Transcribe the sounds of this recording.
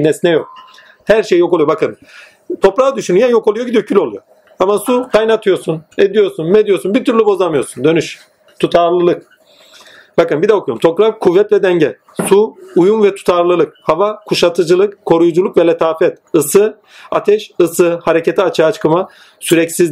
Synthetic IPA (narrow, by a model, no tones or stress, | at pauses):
nɛsinɛjok̚ | hæɾʃejjo̞kolˠujobakɯn | t̪ʰo̞pɾaːd̪yʃynyjɛnjo̞ko̞lˠujoɟid̪ijocʰylʲo̞lˠujo | amasukʰajnat̪ʰɯjo̞ɾsuned̪ijo̞ɾsunmɛd̪ijo̞ɾsunbiɾt̪ʰyɾlʲibo̞zamɯjo̞ɾsund̪ø̞nyʃ | t̪ʰut̪ʰaɾlˠɯlˠɯk | bakɯnbid̪ɛokʰujomt̪ʰo̞kɾakkʰːuvːɛt̪lʲɛd̪ɛɲɟɛ | suːjunvɛt̪ʰu̥t̪ʰaɾlˠɯlˠɯk̚havakʰuʃat̪ʰɯd͡ʒɯlˠɯkkʰːo̞ɾujd͡ʒulˠukvɛlʲɛt̪ʰaːfɛt̪ɯsɯ | at̪ʰɛʃɯsɯhaɾecet̪ʰiat͡ʃʰaːt͡ʃkɯma | syɾɛcsiz